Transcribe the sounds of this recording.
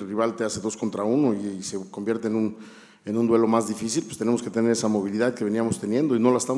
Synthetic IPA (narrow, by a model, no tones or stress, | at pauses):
riβalt̪ease̞ðo̞sko̞nt̪ɾauno̞iseko̞mbjeɾt̪eːnun | enũnd̪we̞lo̞mazðifisilpwest̪e̞neoske̞t̪e̞ne̞ɾe̞samo̞β̞iliðaðke̞βe̞niamost̪e̞nje̞nd̪o̞ino̞laest̪a